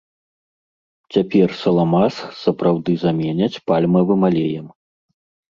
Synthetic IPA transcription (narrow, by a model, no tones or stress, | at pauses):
t͡sʲapʲɛrsɐlˠamasxsɐpɾawd̪ɨzamʲɛnʲɐt͡sʲpalʲmɐvɨmalʲɛjɐm